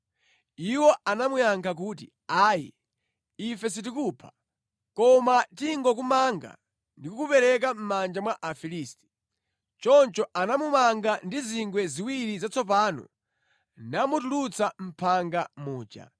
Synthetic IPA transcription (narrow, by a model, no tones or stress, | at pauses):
iwɔʔanamujaŋkʰak̬uːt̬ḭ | aːjḭ | ifɛs̬it̬ikupʰḁ | kɔmatiŋɡɔk̬umaŋɡa̰ | ndikukupɛɾɛk̬am̩mand͡ʒamwaʔafiliːsti̥ | t͡ʃɔnt͡ʃɔʔanamumaŋɡandiziŋɡwɛziwiɾizat͡sʰɔp̬aːnɔ̰ | namutulut͡sam̩pʰaŋɡamuːd͡ʒa̰